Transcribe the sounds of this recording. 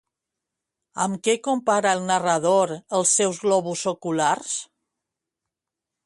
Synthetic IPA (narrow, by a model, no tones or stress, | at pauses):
əmkɛkumpaɾaəlˠnərəð̞oɾəlˠsːɛwzɣlɔβusokulars